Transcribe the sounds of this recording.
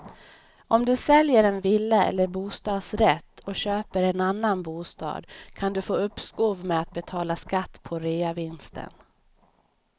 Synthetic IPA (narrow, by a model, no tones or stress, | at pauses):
ɔmd̪ɵsɛljəɾɛnvɪlːəɛ̰lːəɾbuːst̪ɑːd̪sɾɛt̪ːɔɕøːpəɾɛnanːanbuːst̪ɑ̰ːd̪kʰand̪ɵfoːɵpːskuːvmɛat̪̚bɛt̪ʰɑːlaskat̪ːpʰɔɾeːavɪnst̪ʰə̰n